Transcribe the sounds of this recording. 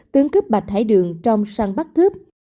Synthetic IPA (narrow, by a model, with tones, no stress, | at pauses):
t̪ɨ˧əŋkɨ˦˥p̚ɓa˨˩t̚t̪ʰaː˧˩jɗɨ˨əŋt͡ɕɔ˧wŋ͡msaː˧ŋɓa˦˥t̚kɨ˦˥p̚